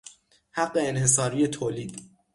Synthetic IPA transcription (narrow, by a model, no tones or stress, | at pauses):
haɢːeːnhe̞s̬ɒːɾiːet̪ʰoːliːd̪̥